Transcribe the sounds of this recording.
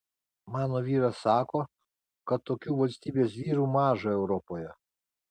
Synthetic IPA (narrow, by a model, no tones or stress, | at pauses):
mɑːnoːʋʲiːɾɐsɑːkoː | kɐt̪ːoːkʲuːʋɐlʲsʲt̪ʲiːbʲes̬ʲʋʲiːɾuːmɑːʒɐɛʊɾɔpoːjɛ